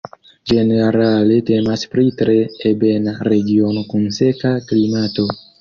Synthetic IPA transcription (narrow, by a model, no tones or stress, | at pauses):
d͡ʒe̞neɾale̞te̞maspɾitɾeːbenaɾeɡio̞nokunsekaklimato̞